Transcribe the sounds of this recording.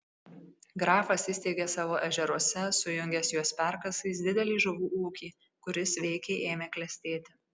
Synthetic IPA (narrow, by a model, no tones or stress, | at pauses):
ɡɾɑːfɐsiːsʲt̪ʲeːɡʲeːsɑːʋoːʔɛʒʲɛɾuɔsʲɛsʊjʊŋʲɡʲɛsjuɔspʲæˑɾkɐsɐɪsd̪ʲɪd̪ʲɛlʲiːʒʊʋuːʔuːkʲiː | kʊɾʲɪsʋʲɛɪkʲeːʔeːmʲeːklʲɛsʲt̪ʲeːt̪ʲɪ̥